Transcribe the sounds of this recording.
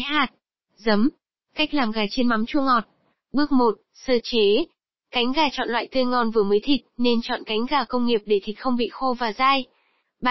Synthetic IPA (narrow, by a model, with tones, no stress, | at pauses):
jɦaː˨˩t̚ | zə˨˦m | ka˦˥jk̟̚laː˨˩mɣaː˨˩t͡ɕe˧nma˨˦mt͡ɕu˧əŋɔ˨˩t̚ | ɓɨ˦˥ək̚mo˨˩t̚səː˧t͡ɕe˨˦ | ka˨˦jŋ̟ɣaː˨˩t͡ɕɔ̰˧˨nlwa̰ː˧˨jt̪ɨ˧əjŋɔ˧nvɨ˨˩əməː˨˦jt̪ʰi˨˩k̚ne˧nt͡ɕɔ̰˧˨nka˨˦jŋ̟ɣaː˨˩kə˧wŋ͡mŋi˨˩əp̚ɗe˧˩t̪ʰi˨˩k̚xə˧wŋ͡mɓḭ˧˨xo˧vaː˨˩zaː˧j | ɓa˧˨